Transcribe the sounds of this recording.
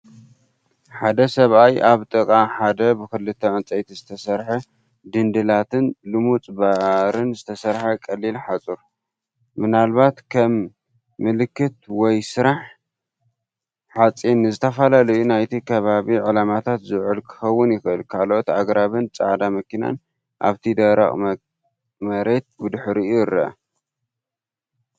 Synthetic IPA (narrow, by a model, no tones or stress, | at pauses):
ħad̪ɐsɐβajʔaβt̪ʼɨkʼaħad̪ɐbɨkɨlɨt̪ʰːɐʕɨnt͡sʼɐjt̪ʰizɨt̪ʰɐsɐɾħɐ | d̪ɨnd̪ɨlat̪ʰɨnlɨmut͡sʼbaɾɨnzɨt̪ʰɐsɐɾħakʼɐlːilħat͡sʼuɾ | mɨnalbat̪kʰɐmː | ɨlɨkːɨt̪wɔjsɨɾaħ | ħat͡sʼinːɨzɨt̪ʰɐfalalɐjunajt̪ʰikʰɐβaβiʕɨlamat̪ʰat̪zɨʕɨlkʰɨ̥xɐwːʊnjɪxɨʔɨlkʰalʔot̪aɡɾaβɨnt͡sʼa̰ʕd̪amɐkina̰n | ʔa̰βt̪ʰid̪ɐɾɐ̰χʼ | mɐɾe̞t̪̚bɨd̪ɨħɾiujɾɐɐ̰